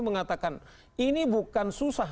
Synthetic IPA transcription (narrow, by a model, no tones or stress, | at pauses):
məŋat̪akan | inibukansusa